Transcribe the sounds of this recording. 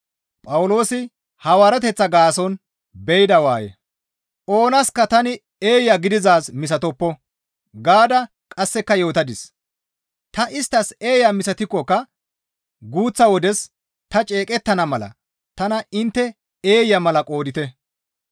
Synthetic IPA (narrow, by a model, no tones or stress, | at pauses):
pʼɐwʊlo̞ːsɪ | hɐwaːɾɛt̪ɛt͡sːɐɡaːsɔn | bɛjd̪ɐwaːjɛ̰ | ʔo̞ːnɐskɐt̪ɐnɪ | eːjɐɡɪd̪ɪzaːsmɪs̬ɐt̪ɔpːɔ | ɡaːd̪ɐ | kʼɐsːɛkːɐjo̞ːt̪ɐd̪ɪs | t̪ɐʔɪst̪ːɐse̞ːjɐmɪsɐt̪ɪkːɔkːɐ | ɡuːt͡sːɐwɔd̪ɛs | t̪ɐt͡ʃʼe̞ːkʼɛt̪ːɐnɐmɐlɐ̰ | t̪ɐnɐɪnt̪ːɛ | eːjːɐmɐlɐkʼo̞ːd̪ɪt̪ɛ